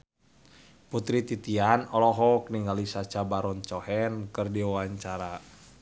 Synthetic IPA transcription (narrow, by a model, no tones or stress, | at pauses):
put̪ɾit̪it̪ianɔlɔɦɔkəniŋɡalisat͡ʃabaɾɔnt͡ʃɔhɛnkɨrdiawaɲt͡ʃaɾa